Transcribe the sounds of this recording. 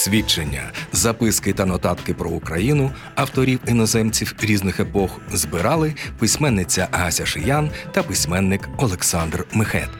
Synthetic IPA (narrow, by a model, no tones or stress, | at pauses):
sʲʋʲit͡ʃenʲːɐ̰zɐpɪskɪt̪ɐnɔt̪ɑt̪kɪpɾɔukɾɐjinʊ | ɐwt̪ɔɾʲiwinɔzɛmt͡sʲiwɾʲiznɪxepɔxzbɪɾɑlˠɪpɪsʲmɛnːɪt͡sʲːɐɦɐsʲɐʃɪjant̪ɐpɪsʲmɛnːɪkɔlˠeksɑnd̪rmɪxɛ̰t̪